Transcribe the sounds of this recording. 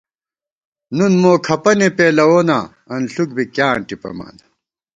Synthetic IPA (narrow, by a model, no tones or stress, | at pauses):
nunmoːkʰɐpɐnepeːlɐwoːna̰ | ɐnɬuk̚bikjaːɳʈipɐ̰ma̰ːnd̪ɐ